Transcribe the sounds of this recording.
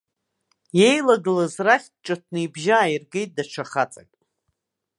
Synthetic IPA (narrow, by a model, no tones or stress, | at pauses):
je̞jlaɡɨlazraχʲt͡ʃʈ͡ʂʼat̚ʰnɨjbʒaːjirɡe̞jt̚ʼdaʈ͡ʂʷʰaχat͡sʼakʼ